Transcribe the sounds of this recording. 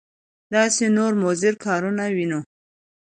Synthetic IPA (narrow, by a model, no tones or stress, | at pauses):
d̪ɑsenoɾmozɪɾkʰɑɾunawinu